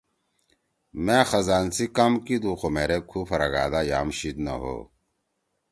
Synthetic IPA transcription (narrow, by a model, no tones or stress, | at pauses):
meːxɐzaːnsikɐmkid̪uːxomeːɾekʰuːpʰɐɾaɡa̰ːd̪aːja̰ːmɕid̪nɐ̰ɦo̰ː